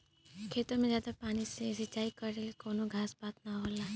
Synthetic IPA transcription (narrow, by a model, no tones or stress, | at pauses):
kʰeːt̪õmẽzjaːd̪apaːniseɪsit͡ʃaːikɐɾɾelikoːnoɡʱaːsbaːt̪̚naɦoːlaː